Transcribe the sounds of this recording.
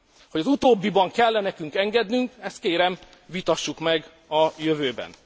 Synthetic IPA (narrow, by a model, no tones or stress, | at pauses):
hoɟɒzut̪oːbːibɒŋkɛlːɛnɛkyŋkɛŋɡɛd̪nyŋkɛst̪̚keːɾɛm | vit̪ɒʃːukmɛɡ | ɒjøvøːbɛ̰n